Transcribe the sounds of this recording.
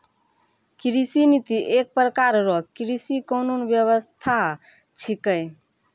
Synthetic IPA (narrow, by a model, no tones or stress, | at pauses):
kɾisinit̪iʔek̚pɾəkaɾɾɔkɾisikononbjəβəst̪ʰa | t͡ʃʰikəj